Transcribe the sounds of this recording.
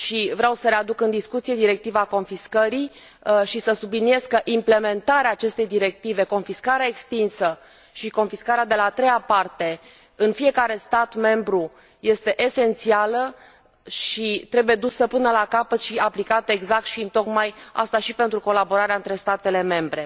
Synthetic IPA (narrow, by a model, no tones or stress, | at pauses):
ʃivɾeawsəɾe̞ad̪ukɨnd̪iskut̪sije̞d̪iɾe̞k̚t̪ivaːko̞nfiskəɾi | ʃisəsublinie̞zkəʔimple̞me̞nt̪aɾeaːt͡ʃe̞st̪e̞jd̪iɾe̞k̚t̪ive̞ko̞nfiskaɾeaekst̪insə | ʃiko̞nfiskaɾead̪e̞laːt̪ɾe̞japart̪e̞ | ɨnfije̞kaɾe̞st̪at̪me̞mbɾu | je̞st̪e̞ʔese̞nt̪sialə | ʃit̪ɾe̞buje̞d̪usəpɨnəlakapət̪ʃiaplikat̪əeɡzak̚t̪ʃiɨnt̪o̞kmaja̰st̪aʃipe̞nt̪ɾuko̞labo̞ɾaɾeaɨnt̪ɾe̞st̪at̪e̞le̞me̞mbɾe̞